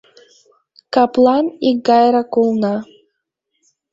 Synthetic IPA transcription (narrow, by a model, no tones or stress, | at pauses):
kaplˠaniɡajɾakulˠna